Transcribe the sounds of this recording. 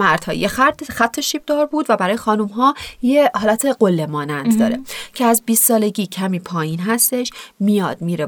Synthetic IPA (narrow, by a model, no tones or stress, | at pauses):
mæɾd̪̥hɒ̰ːjexæt̪xæt̪ʰːoʃiːb̚d̪ɒːɾbuːd̪væbæɾɒːjexɒːnumɦɒːjehɒːlæt̪ʰe̞ɢolːemɒːnænd̪d̪ɒ̰ːɾe̞cʰeæzbiːst̪sɒːle̞ɟiːcʰæmiːpʰɒːjiːnɦæst̪e̞ʃmijɒːd̪̥̚miːɾe